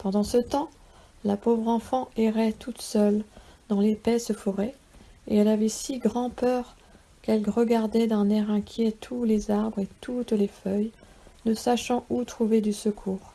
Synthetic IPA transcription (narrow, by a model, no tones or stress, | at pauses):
pɑ̃d̪ɑ̃sət̪ɑ̃ | lapovʁɑ̃fɑ̃eʁɛt̪ut̪sœld̪ɑ̃lepɛsəfɔʁɛ | eɛlavɛsiɡʁɑ̃pœʁ | kɛlʁəɡaʁd̪ɛd̪ɛ̃nɛʁɛ̃kʲjɛt̪ʰulezaʁbʁet̪ʰut̪lefœj | nəsaʃɑ̃ut̪χuved̪ysəkʰuːʁ